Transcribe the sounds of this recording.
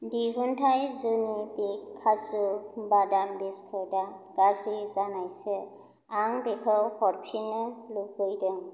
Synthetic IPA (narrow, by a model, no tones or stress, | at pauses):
diɦuntʰajzunibikʰːazubadambeskʰɔdaɡazɾizanajsɛ | aŋbekʰɔwhɔɹpʰinɯlupɯjdɯŋ